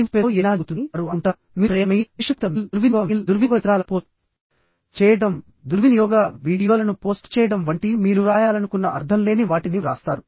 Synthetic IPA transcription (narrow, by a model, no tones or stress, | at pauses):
nspeɛːnaːɡut̪unɾuɐɳʈa | miːpɾɐjɐmɐiʂɐk̚t̪ɐmiluɾʋinjɔːild̪uɾʋikɐt̪ɾaːlɐpoː | t͡ʃɛːjɐɽɐm | d̪uɾʋinijɔːɡɐʋiːɽijoːlɐnupoːsʈt͡ʃɛːjɐɽɐmʋɐɳʈimiːɾuɾaːjaːlɐnukunːɐʔɐɾt̪ʰɐmle̞ːniʋaːʈiniɾa̰ːst̪aːɾu